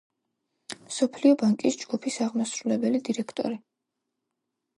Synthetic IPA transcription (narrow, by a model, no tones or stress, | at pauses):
msɔpʰliɔbaŋkʼisd͡ʒɡ̥upʰisaʁmasɾulɛbɛlid̪iɾɛkʰt̪ʼɔ̰ɾi